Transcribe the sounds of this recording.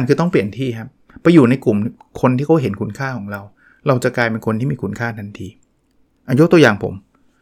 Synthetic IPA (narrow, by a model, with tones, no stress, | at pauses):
nkʰɯː˧t̪ɔ˥˩ŋpli˨˩ənt̪ʰiː˥˩kʰa˦˥p̚ːa˧jːuː˨˩na˧jku˨˩m | kʰo˧nt̪ʰiː˥˩kʰa˦˥ɦe˩˦nkʰu˧nkʰaː˥˩kʰɔː˩˦ŋɾa˧w | ɾa˧wt͡ɕa˨˩kaː˧jpe˧nkʰo˧nt̪ʰiː˥˩miː˧˩ku˧nkʰaː˥˩t̪ʰa˧nt̪ʰiː˧ | ʔa˧jo˦˥t̪u˧ɐ˧jaː˨˩ŋpʰo̰˩˦m